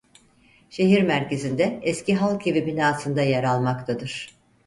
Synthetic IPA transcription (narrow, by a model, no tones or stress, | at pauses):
ʃe̞ɦiɾmæɾce̞zind̪ɛɛsciɦalˠkʰevibinaːsɯnd̪ajeɾalˠmakt̪ʰad̪ɯɾ̥